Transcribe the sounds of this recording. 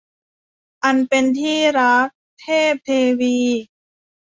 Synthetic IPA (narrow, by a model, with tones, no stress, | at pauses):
ʔa˧npe˧nt̪ʰiː˥˩ɾa˦˥k̚t̪ʰeː˥˩p̚t̪ʰeː˧wiː˧